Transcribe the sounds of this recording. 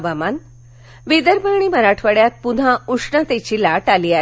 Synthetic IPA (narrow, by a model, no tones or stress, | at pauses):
ʋaman | ʋid̪əɾbəɾɳ̃iːməɾaʈʰʋəɽjat̪̚pud̪ʱãuʂɳət̪et͡ɕiːlaʈaliːa